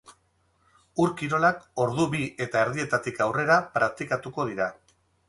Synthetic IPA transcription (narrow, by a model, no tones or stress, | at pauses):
uɾkiɾo̞lako̞ɾðuβie̞t̪ae̞ɾðie̞t̪at̪ikawre̞ɾapɾak̚t̪ikat̪uko̞ð̞iɾa